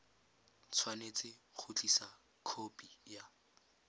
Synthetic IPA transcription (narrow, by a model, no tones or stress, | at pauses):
t͡sʰwanet͡sʼɪk͡xʰʊt͡ɬisa | kʰopʼija